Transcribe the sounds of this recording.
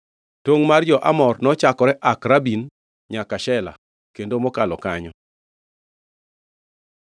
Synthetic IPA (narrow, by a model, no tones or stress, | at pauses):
toŋmard͡ʒɔʔa̰mɔrnɔt͡ʃakɔɾɛʔakɾabin | ɲakaʃɛla̰ | kendomɔkalɔkaɲɔ